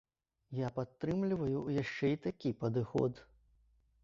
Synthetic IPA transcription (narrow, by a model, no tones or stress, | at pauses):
japat̪ːɾɨmlʲivɐjujaʂt͡ʂɛit̪akʲipɐd̪ɨxɔ̰d̪